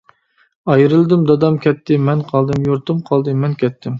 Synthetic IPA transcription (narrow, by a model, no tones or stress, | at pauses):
ɑjɾɨlˠɨd̪ɨmd̪ɑd̪ɑmkʲʰɛt̪ʰːɪmɛnqʰɑlˠd̪ɨmjoɾt̪ɨmqʰɑlˠd̪ɨmɛnkʲɛt̪ʰːɪm